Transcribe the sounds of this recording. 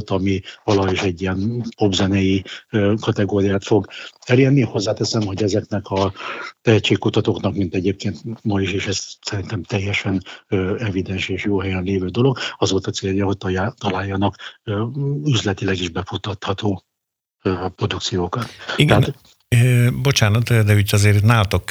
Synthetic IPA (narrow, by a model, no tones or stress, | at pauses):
t̪ɒmivɒlɒɦoiʃɛɟːiɛnpo̞bzɛnɛjiːkɒt̪ɛɡoːɾijaːt̪fo̞ɡɛleːrniho̞zːaːt̪ɛsɛmho̞ɟɛzɛknɛkʰɒt̪ɛɦɛct͡ʃeːkkut̪ɒt̪oknɒkmint̪ɛɟeːp̚keːnt̪mɒiʃeːʃɛzsɛɾint̪ɛmt̪ɛjːɛʃɛnøːɛvid̪ɛnʃeːʃjoːɦɛjɛnleːvøːd̪o̞lo̞ɡɒzolt̪ɒt̪seːljɒɦo̞c̚t̪jt̪ɒlaːjːɒnɒkː | yzlɛt̪ilɛɡiʒbɛfut̪ɒt̪hɒt̪oː | pro̞d̪ukt̪sijoːkɒt̪iɡ̪ɛa | bo̞t͡ʃaːnɒt̪d̪ɛucɒzeːɾnaːlt̪ok